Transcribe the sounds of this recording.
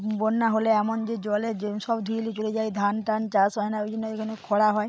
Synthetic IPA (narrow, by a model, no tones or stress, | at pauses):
bonːaɦoleɛmond͡ʒed͡ʑɔleeʃɔbd̪ʱulit͡ʃoled͡ʒajd̪ʱanʈant͡ʃasɦɔenaojd͡ʒonːoekʰanekʰɔɽaɦɔe